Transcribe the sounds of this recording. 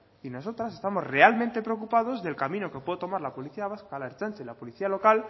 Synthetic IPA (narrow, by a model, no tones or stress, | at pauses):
ino̞so̞t̪ɾase̞st̪amo̞zre̞almẽnt̪e̞pɾeok̬upaðo̞zðe̞lkamĩno̞ke̞pweðot̪o̞maɾlapo̞liθiaβaskalaeɾt͡ʃant͡ʃalapo̞liθialo̞kal